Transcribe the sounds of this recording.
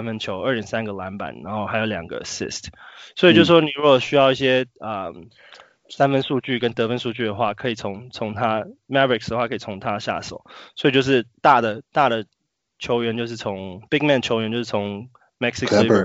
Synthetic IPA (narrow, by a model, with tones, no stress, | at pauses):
nfə˥nt͡ɕʰjo˧˦ʊə˞˥˧˩jɛ˨˩nsa˦nɡə˨la˧˥npa̰˨˩˦nɻa˧˥nxo˥˩ʊha˧˥jo˧˩ʊljɑ˨˩ŋɡə̰˦sḭ˥˩stswɔ˧˥i˨t͡ɕo˥˧ʊʂ̩˥˩ʂwɔ˥ni˨˩ɻu˧˦˥kɔ˨˩ɕy˥jɑ˥˧ʊi˥˩ɕjɛ˦˥ə˩ | sa˥nfə˥nʂu˥˧t͡ɕy˥˩kə˦˥nt̪ɤ˧˦fə˦˥nsu˥˧t͡ɕy˥˩d̪ə˩xwa˥˩kʰɤ˧˥i˨˩t͡sʰʊ˧˥ŋt͡sʰʊ˧˥ŋt̪ʰa˥mɛ˥tɹɪ˨˩ksd̪ə˩xwa˥˩kʰɤ˧i˨˩t͡sʰʊ˧˥ŋt̪ʰa˦ɕja̰˥˩so̰˨˩˦ʊswɔ˧˥i˨˩t͡ɕjo˥˧ʊʂ̬ɻ̩˥˧t̪a˥˩d̪ə˩t̪a˥˩d̪ə˨˩ | t͡ɕʰjo˧˥ʊɥɛ˧˥nt͡ɕo˥˧ʊʂ̬ɻ̩˥˩t͡sʰʊ˧˦ŋpi˥k̚mɛ˥˩nt͡ɕʰjo˧ʊɥɛ˧nt͡ɕo˥˧ʊʂɻ̩˥˩t͡sʰʊ˧˥˦ŋ | mɛ˥ksi˥kʰ